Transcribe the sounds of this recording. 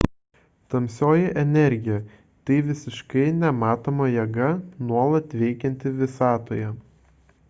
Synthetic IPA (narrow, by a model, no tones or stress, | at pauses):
t̪ɐmʲsʲoːjɛʔɛnʲɛɾʲɡʲɪjɛ | t̪ɐɪʋʲɪsʲɪʃkɐɪnʲɛmɑːt̪oːmɐjɛɡɐnuɔlˠɐt̪ʲʋʲɛɪkʲɛnʲt̪ʲɪʋʲɪsɑːt̪oːjɛ